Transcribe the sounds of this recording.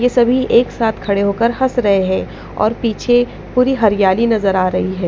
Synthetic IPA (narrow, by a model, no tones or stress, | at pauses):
jesɐbʱiʔeːksaːt̪ʰkʰɐɽeɦoːkəɾhɐsɾɐɦeɦɛ̃ː | ɔ̰ːɾpiːt͡ʃʰe | puːɾiɦɐɾɪjaːlinɐzəɾaːɾɐɦiɦɛː